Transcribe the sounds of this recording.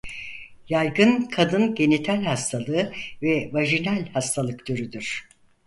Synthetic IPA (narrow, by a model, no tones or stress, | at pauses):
jajɡɯnkʰad̪ɯnɟe̞nit̪ʰælʲhast̪ʰalˠɯɯvɛvaʒinælʲhast̪ʰalˠɯkd̪øɾyd̪yɾ̥